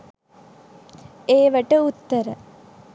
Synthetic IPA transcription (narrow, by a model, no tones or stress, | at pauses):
eːʋəʈəut̪ːəɾə